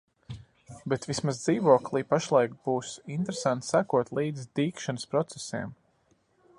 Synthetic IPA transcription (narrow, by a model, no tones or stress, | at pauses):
bet̪vismazd̪ziːʋuɔklˠiːpaʃlˠajkb̥uːsint̪ɾesant̪sakuɔt̪lˠiːd̪zd̪iːkʃanəspɾɔt̪sesḛɛm